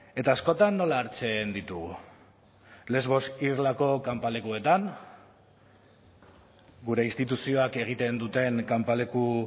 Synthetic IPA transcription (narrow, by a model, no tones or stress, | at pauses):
e̞t̪aːsko̞t̪anːo̞laːɾt͡se̞nd̪it̪uɣu | le̞zβ̞o̞sirlako̞kampale̞kue̞t̪an | ɡuɾe̞inst̪it̪usio̞ake̞ɣ̞it̪e̞nd̪ut̪e̞ŋkampale̞ku